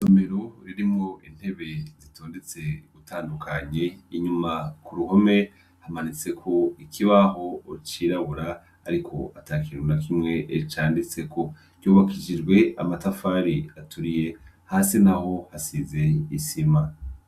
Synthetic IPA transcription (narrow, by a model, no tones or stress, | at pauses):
some̞ɾoɾiɾimŋo̞ʔin̥he̞βe̞zitʰo̞ːndet͡se̞ɡutʰaːndukʰaɲe̞iɲumakuɾuho̞me̞ | hamanit͡se̞kʰo̞ikʰiβaɦo̞ːt͡ʃiːɾaβuɾa̰ː | ɾikʰo̞̰a̰takiwunakimŋeʔet͡ʃaːndit͡se̞kʰo̞ | ɟ̥joːβakid͡ʒid͡ʒɡwe̞a̰matafaɾiatʰuɾije̞ | haːsinaho̞hasize̞isima